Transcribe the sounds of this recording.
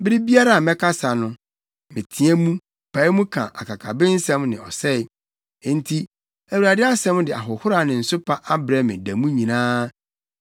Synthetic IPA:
bɪ˦ɾɪ˦bi˦a˦ɾa˨a˨mɛ̃˦kʰa˦sa˨nʊ̃˦ | mɪ̃˨tʰĩ˨ɛ˦mũ˦ | pʰa˨˦ɪ˦mũ˦kʰã̰˨ʔa̰˨kʰa˨kʰa̰˨bɪ˦n̩˦sɛ̃˦mnɪ̃˨ɔ̰˨sɛ˦ | n̩˦tʰi˦ | æ˨wu˨ɾa˨dɪ˦a˦sɛ̃˦m˦dɪ˨a̰˨ɦʊ˨hʊ˦ɾa˨˦˨nɪ̃˨n̩˨sʊ˦pʰa˦ʔa˦bɾɛ˦mɪ̰̃˨dæ˨mũ˦ɲĩ˨nãː˦

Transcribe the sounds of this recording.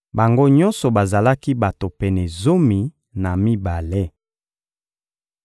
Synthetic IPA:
ba˨ŋɡo˦ɲɔ̃˦nsɔ˨ba˨za˨la˦ki˦ba˨to˨pɛ˨nɛ˨zo˦mi˨ | na˨mi˦ba˨le˦

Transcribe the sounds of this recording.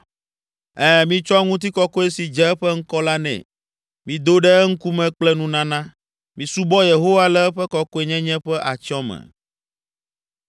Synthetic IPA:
ɛ˦mĩ˦t͡ʃɔ˦ŋũ˦t̪̬i˦kɔ˦ko˦e˦si˨d͡ʒɛ˦ɛ˦ɸɛ˦ŋ̩˦kɔ˦la˦nɛ̰̃˨ | mĩ˨d̪o˦ɖɛ˦ŋ̩˦ku˦mɛ̃˨k͡plɛ˦nũ˦nã˦nã˦ | mĩ˨su˦bɔ˦je˨ɦo˦wa˦lɛ˦ɛ˦ɸɛ˦kɔ˦ko˦e˦ɲɛ̃˦ɲɛ̃˦ɸɛ˦ʔa˨t͡ʃɔ˦mɛ̰̃˨

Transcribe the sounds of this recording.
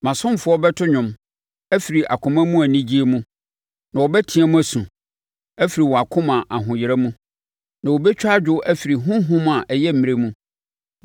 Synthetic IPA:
mã˨sʊ̃˦m˦˨fʊ˦ɔ˦bɛ˦tʰʊ˦ɲʊ̃˨m | æ˦fi˨ɾi˨ʔa̰˨kʰʊ̃˨mã˦mũ˦æ˨nĩ˦d͡ʑi˦e˦mũ˦ | nã˨wɔ˨bɛ˦tʰĩ˦a˦mũ˦æ˨sũ˨ | æ˦fi˨ɾi˨wɔ˨a˨kʰʊ̃˦mã˨ʔa˨ɦʊ̃˨jɪ˨ɾæ˦mũ˦ | nã˨wo˨bɛ˦t͡ɕᶣa˦d͡ʑᶣʊ˦ʔæ˦fi˨ɾi˨ɦʊ̃˦ɦʊ̃˦m̃˦a˨ʔɛ˨jɛ˦m̩˨mĩ˨ɾe˦mũ˦

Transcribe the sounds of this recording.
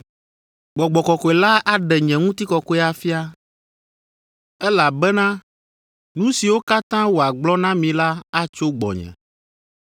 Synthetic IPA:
ɡ͡bɔ˨ɡ͡bɔ˨kɔ˨kɔ˨ɛ˨la˦a˦ɖɛ˨ɲɛ̃˨ŋũ˦t̪i˦kɔ˨kɔ˦ɛ˦a˨fi˦a˦ | ɛ˦la˨bɛ˦nã˦ | nũ˦si˨wo˦ka˦t̪ã˦wo˨a˨ɡ͡blɔ˦nã˦mĩ˨la˦a˦t͡ʃo˦ɡ͡bɔ̰˨ɲɛ̰̃˨

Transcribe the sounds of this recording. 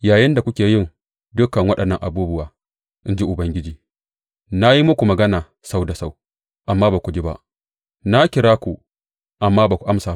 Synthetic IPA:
jaː˨jɪ˦nda˨kʷʊ˦kʲeː˨jɪ˦˨ŋ | dʊ˦kːɐ˨ŋwɐ˦ɗɐ˨nːɐ˦˨ŋʔa̰˨buː˦bʊ˦waː˨ | ʔɪ˦nd͡ʒi˦ʔʊ˨bɐ˦ŋɡʲɪ˦d͡ʒiː˨ | na˦ji˦mʊ˦kʷu˨mɐ˨ɡɐ˦naː˨ | sa˦wda˨sa˦w | ʔa˨mːaː˦baː˨kʷu˨d͡ʒi˦ba̰˦ʔ | na˦kʲɪ˨ɽaː˦kʷu˨ | ʔa˨mːaː˦baː˨kʷu˨ʔa˦msaː˨

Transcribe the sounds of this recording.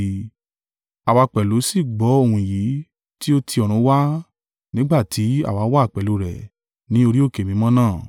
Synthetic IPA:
a˨wa˧k͡pɛ˨lo˨˦si˦˨ɡ͡bɔ˨˦o˦˧˨hũ˧i˨ji˨˦ | ti˦o˦tʰi˧ɔ˨ɾ̃ũ˨˦wa˦ | nĩ˦ɡ͡ba˦˨ti˨˦a̰˦˨wa˨˧˦wa˦˨k͡pɛ˨lo˨˧˦ɾɛ̰˨ | nĩ˨˦o˧ɾi˦o˦˨ke˨mĩ˧˦mɔ̃˦nãː˦˨

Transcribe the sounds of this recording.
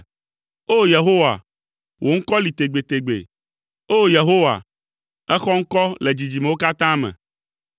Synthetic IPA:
o˦je˨ɦo˦wa̰˨ | wʔo˨ŋ̩˦kɔ˦li˨t̪e˨ɡ͡be˨t̪e˨ɡ͡bḛ˨ | o˦je˨ɦo˦wa̰˨ | ɛ˦xɔ˦ŋ̩˦kɔ˦le˨d͡ʑi˨d͡ʑi˨me˨wo˦ka˦t̪ã˦mɛ̰̃˨

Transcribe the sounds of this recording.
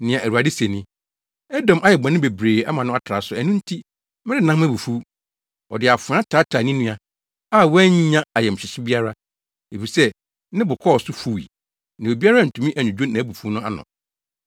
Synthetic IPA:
nɪ̃˨ã˨ʔæ˨ɾu˨a˨dɪ˦se˨nĩ˦ | ɛ˦dɔ̃˨mʔa˦jɛ˨bã˨nɪ̃˦be˨bɾeː˨a̰˦mã˨nʊ̃˦a˦tʰɾa˨sʊ˨æ˨nʊ̃˦n̩˦tʰi˦ | mɪ̃˦ɾɪ˦nã˦mæ˦bu˨fu˦ | ɔ˨dɪ˨a˨fʊ˨ã˦tʰaː˨˦tʰa˨nĩ˦nĩ˦a˨ | a˦˨wɛ˦ɲ˦ɲã˦a˨jɛ˨m̩˨ɕᶣɪ˨ɕɪ˦bi˦a˦ɾa˦ | e˨fi˨sɛ˦ | nɪ̃˦bʊ˨kʰɔ˦˨sʊ˦fu˦˨wḭ˨ | nã˨e˨bi˦a˦ɾa˦˨n̩˨tʰũ˨mĩ˦ʔæ˨nʊ̃˨d͡ʑᶣo˦nã˨˦bu˨fu˦nʊ̃˦a̰˦nʊ̰̃˨

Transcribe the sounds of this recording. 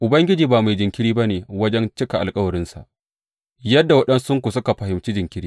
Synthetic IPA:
ʔʊ˨bɐ˦ŋɡʲɪ˦d͡ʒiː˨baː˨ma˨jd͡ʒɪ˨ŋkʲɪ˦ɽiː˦ba˦neː˨wɐ˦d͡ʒɛ˦nt͡ʃɪ˦ka˨ʔa˨lkʼɐ˦wɐ˨ɾɪ˦nsa̰˨ʔ | jɐ˦dːa˨wɐ˦ɗɐ˦nsʊ˦ŋkʷʊ˨sʊ˦ka˨ɸɐ˨hɪ˨mt͡ʃiː˦d͡ʒɪ˨ŋkʲɪ˦ɾiː˦

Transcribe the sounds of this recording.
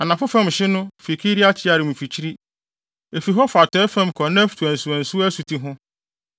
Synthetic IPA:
a˨nã˨fʊ˦fɛ̃˦m˨ɕɪ˦nʊ̃˦fi˨kʰi˦ɾi˦a˦t͡ɕʰɪ˦a˨ɾɪ˨mũ˨fi˨t͡ɕʰi˦ɾi˦ | e˨fi˨ɦɔ˦fa˨tʰɛ˦fɛ̃˦m˦kʰɔ˨nã˦fu̥˨tʰu˨æ̃˨n̩˨su˨æ̃˨n˨su˦æ˦su˨tʰi˦ɦʊ̃˦

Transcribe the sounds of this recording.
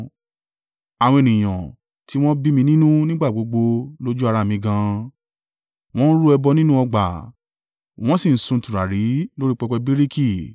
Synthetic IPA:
a˨wɔ̃˧e˨nĩ˨j̃ã̰˨ | tʰi˦w̃ɔ̃˦bi˦mĩ˧nĩ˦nũ˦nĩ˦ɡ͡ba˦˨ɡ͡bo˨˦ɡ͡bo˧lo˦d͡ʒu˦a˧ɾa˨mĩ˨˧ɡã˧ | w̃ɔ̃˦n̩˦ɾu˦ɛ˧bɔ˧nĩ˦nũ˦ɔ˧ɡ͡ba˨ | w̃ɔ̃˦sĩ˦˨n̩˦sũ˧n̩˨tu˨ɾa˨ɾi˨˦lo˦ɾi˦k͡pɛ˧kɛ˧bi˦ɾi˦ki˦˨

